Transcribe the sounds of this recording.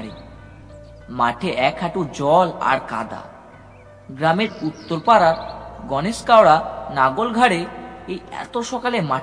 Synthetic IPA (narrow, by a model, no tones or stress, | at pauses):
ɽe | maʈʰeʔɛkʰaʈud͡ʑɔla̰ɾka̰d̪a̰ | ɡɾameɾut̪ːoɾpaɾaɾɡɔneskawɽanaɡolɡʱaɽeejɛ̰t̪oʃɔkalema